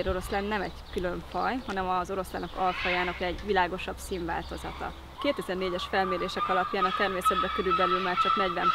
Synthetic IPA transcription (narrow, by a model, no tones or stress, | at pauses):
ɾo̞ɾo̞slɛnːɛmɛɟkylø̞ɱfɒjɦɒnɛmɒzo̞ɾo̞slɛ̰nokɒlfɒjaːnɒkɛɟʋilaːɡo̞ʃɒbsiːɱva̰ːlt̪o̞zɒt̪ɒ̰ | keːt̪ɛzɛrneːɟɛʃfɛlmeːɾeːʃɛkɒlɒpjaːnɒt̪ɛrmeːsɛd̪bɛkøɾylbɛlylmaːrt͡ʃɒknɛɟbɛn